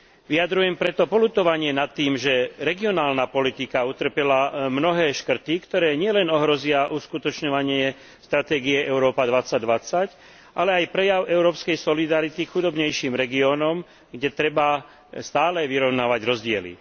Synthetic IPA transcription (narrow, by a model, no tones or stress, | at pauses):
ʋiad̪ɾujɛmpɾɛt̪ɔpɔlut̪ɔʋaɲɪɛnat̪ːiːmʒɛɾɛɡiɔnaːlnapɔlit̪ikaut̪r̩pɛlamnɔɦɛːʃkr̩t̪ikt̪ɔɾɛːɲɪɛlɛnɔɦɾɔzɪaʔuskut̪ɔt͡ʃɲɔʋaɲɪɛ | st̪ɾat̪ɛːɡiɛʔɛʊɾɔːpad̪ʋat͡sːaɟd̪ʋat͡sac | ʔalɛajpɾɛjaʊɛʊɾɔːpskɛjsɔlid̪aɾit̪ikxud̪ɔbɲɛjʃiːmɾɛɡiɔːnɔm | ɡɟɛt̪ɾɛba | st̪aːlɛʋiɾɔʊnaːʋaɟɾɔzɟɪɛlḭ